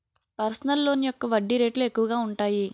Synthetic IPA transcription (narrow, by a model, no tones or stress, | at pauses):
pɐɾsɐnɐlːo̞ːnijɔkːɐʋɐɖːiɾe̞ːʈluekːuʋɐɡaːuɳʈaːji